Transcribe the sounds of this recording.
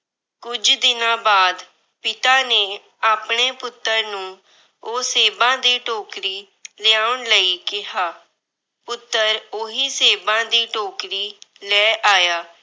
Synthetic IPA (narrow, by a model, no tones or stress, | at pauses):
kʊd͡ʒd̪ɪnãːbaːd̪ | pɪt̪aːneː | aːpɳ̃eːpʊt̪ːəɾnũː | oːseːbãːd̪iːʈoːkɾiː | lɪaːʊɳləiːkɪɦaː | pʊt̪ːəɾoɦiːseːbãːd̪iːʈoːkɾiːlɛːʔaːjaː